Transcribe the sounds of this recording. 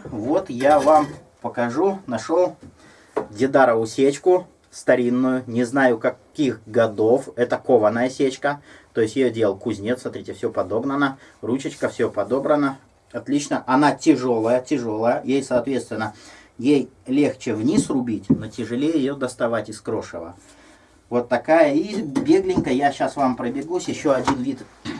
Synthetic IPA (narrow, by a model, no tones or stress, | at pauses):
vo̞t̪javam | pəkɐʐunɐʂolˠ | dʲɪd̪aɾəvʊsʲet͡ɕkʊ | st̪ɐɾʲinːʊjʊnʲɪznajʊkɐkʲixɡɐd̪o̞fɛt̪əkovənːəjəsʲet͡ɕkət̪o̞jɪsʲtʲjɪjodʲeəlˠkʊzʲnʲet̪smɐt̪ɾʲetʲɪfsʲopɐd̪o̞bnənərut͡ɕɪt͡ɕkəfsʲopɐd̪o̞bɾənə | ɐt̪lʲit͡ɕnəʔɐnatʲɪʐo̞lˠəjətʲɪʐo̞lˠəjəjejsɐːt̪vʲet̪st̪vʲɪnːəjejlʲe̞xt͡ɕɪvnʲisrʊbʲitʲno̞tʲɪʐɨlʲejɪɪjod̪əst̪ɐvatʲɪskɾo̞ʂə̰və̰ | vo̞t̪ːɐkajəibʲe̞ɡlʲɪnʲkəjaɕasvampɾəbʲɪɡusʲjɪɕːoɐdʲinvʲit̪